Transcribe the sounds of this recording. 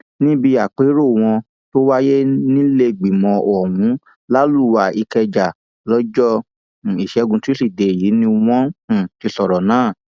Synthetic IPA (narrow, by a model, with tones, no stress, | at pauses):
nĩ˦bi˧a˨k͡pe˨˦ɾo˦˨w̃ɔ̃˧ | to˦wa˦je˦nĩ˦le˧ɡ͡bi˨mɔ̃˧ʔɔ˨wũ˨˦ | la˦lu˦˨˦wa˧i˧kɛ˧d͡ʒa˨ | lɔ˦d͡ʒɔ˦˨ | i˨ʃɛ˨˦ɡũ˧tu˦i˦˨de˨jiː˨˦nĩ˧w̃ɔ̃˦˨ki˧sɔ˨ɾɔ˨nãː˦˨